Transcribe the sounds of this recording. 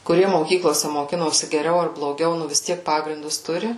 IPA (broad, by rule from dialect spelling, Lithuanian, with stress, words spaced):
kʊˈrʲiɛ moːˈkʲiːklˠoːsʲɛ moːˈkʲɪnoːsʲɪ ɡʲɛˈrʲɛʊ ɐr blˠoːˈɡʲɛʊ ˈnʊ ʋʲɪs ˈtʲiɛk ˈpɑːɡrʲɪndʊs ˈtʊrʲɪ